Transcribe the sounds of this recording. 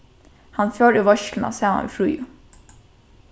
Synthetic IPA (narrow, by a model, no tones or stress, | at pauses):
hanfjøːɾɪʋɔʃklna̰saːma̰nʋḭːfɾuːjʊ